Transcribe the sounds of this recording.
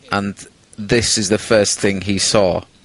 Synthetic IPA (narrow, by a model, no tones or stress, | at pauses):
ʔə̃n | ðɪsɪzðəfɜˑsθɪ̃ŋisɔː